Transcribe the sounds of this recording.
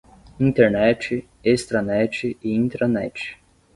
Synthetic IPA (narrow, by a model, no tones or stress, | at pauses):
ĩt̪eɾnɛt͡ʃɪ | est̪ɾɐnɛt͡ʃɪɪĩt̪ɾɐnɛt͡ʃɪ̥